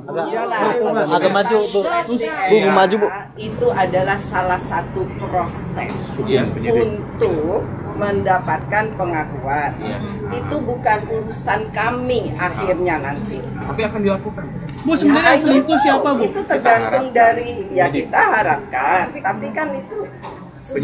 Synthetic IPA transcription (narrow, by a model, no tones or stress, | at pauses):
ɡajalaaɡamad͡ʒuubuumad͡ʒub | it̪uʔadalahsalahsat̪upɾosɛ̰s | unt̪ʊk̚ | məndapat̪̚kanpəŋakuanj̰it̪ubukanuɾusankamiahirɲanant̪i | t̪apiakandilakukan | busəmədaasəlint̪usiapabit̪ut̪ərɡant̪ʊŋdaɾijakit̪aɦaɾap̚kant̪apikanit̪u